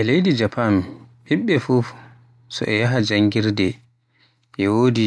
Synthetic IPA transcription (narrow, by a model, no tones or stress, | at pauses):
ʔɛlejdid͡ʒapʰanɓiɓːɛfuf | sɔ̰ʔɛjaɦad͡ʒaŋɡiɾdɛ | ʔɛwodi